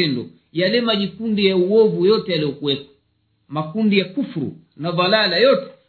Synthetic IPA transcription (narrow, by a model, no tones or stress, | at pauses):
ɛndɔ | jalɛmaʄikundijauwɔvujɔtɛjaliɔkuwɛpḁ | makundijakufuɾṵ | navalalajɔtɛ̥